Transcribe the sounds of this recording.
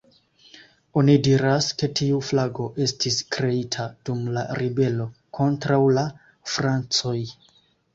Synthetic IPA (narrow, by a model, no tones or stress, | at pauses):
o̞nidiɾaske̞tiuflaɡo̞ʔe̞stiskɾe̞itʰad̥umlaɾibe̞lo̞kʰo̞ntɾawla | fɾant͡so̞j